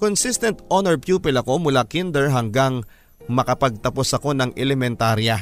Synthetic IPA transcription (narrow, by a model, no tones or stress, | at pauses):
konsist̪ɛnt̪ʔonoɹpjuːpɪlɐko̞mʊlakind̪ɛɹɦɐŋɡaŋ | mɐkɐpɐɡ̚t̪ɐpo̞sɐko̞nɐŋʔɛlɛmɛnt̪aːɾjɐ